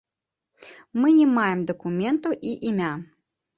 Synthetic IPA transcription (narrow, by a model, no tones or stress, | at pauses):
mɨnʲɛmajɛmd̪ɐkumʲɛnt̪uʔiʔimʲa